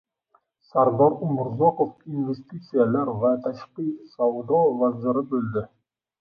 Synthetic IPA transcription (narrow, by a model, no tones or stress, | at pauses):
saɾd̪ɒɾʊmʊɾzoqofinvest̪it̪sɨjalaɾvat̪ʰaʃqisawd̪ovazɪɾɪbɵld̪ɪ